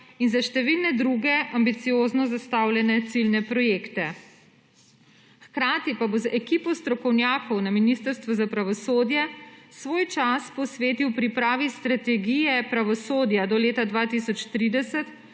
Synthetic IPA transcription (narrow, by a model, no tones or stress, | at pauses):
inzaʃt̪ɛʋilnɛd̪ɾuːɡɛʔambit̪sijoːznɔzast̪awlʲjɛnɛt̪silnɛpɾɔjeːkt̪ɛ | xkɾaːt̪ipabozɛkiːpɔst̪ɾɔkɔwnjaːkɔwnaminist̪əɾst̪ʋuzapɾaʋɔsoːd̪jɛsʋoːjt͡ʃaspɔsʋeːt̪iwpɾipɾaːʋist̪ɾat̪ɛɡijɛpɾaʋɔsoːd̪jad̪ɔleːt̪ad̪ʋat̪isɔt͡ʃt̪ɾid̪ɛsɛt̪